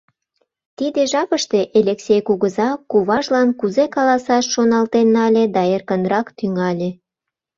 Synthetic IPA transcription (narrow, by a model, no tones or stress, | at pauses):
t̪id̪eʒɑpəʃt̪e̽ʔelʲeksʲejkuɣəzɑkuβɑʒlɑnkuzekɑlɑsɑʃːonɑlt̪enːɑlʲed̪ɑerkənɾɑkt̪yŋɑlʲe